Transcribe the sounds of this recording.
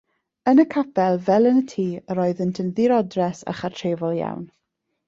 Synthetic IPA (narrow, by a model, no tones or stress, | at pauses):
ənəkʰapʰɛlˠvɛlˠənətʰiːəɾɔɨðəntʰənðiɾɔdrɛsa̰χartʰreːvɔlˠja̰wn